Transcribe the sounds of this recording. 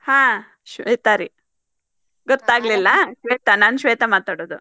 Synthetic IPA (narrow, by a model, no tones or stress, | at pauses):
hãː | ʃʋeːt̪aɾi | ɡɔt̪ːaːɡlilːɐʃʋeːt̪ɐnaːnuʃʋeːt̪ɐmaːt̪aːɽoːd̪u